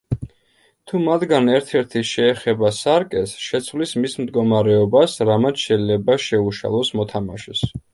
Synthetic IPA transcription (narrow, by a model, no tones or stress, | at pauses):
t̪ʰumat̪ɡanɛɾt̪ʰɛɾt̪ʰiʃɛːχɛbasaɾkʼɛsʃɛt̪sʰwlismismd̪ɡɔmaɾɛɔbasɾamat̪ʃɛjlɛbaʃɛuʃa̰lˠɔsmɔt̪ʰama̰ʃɛs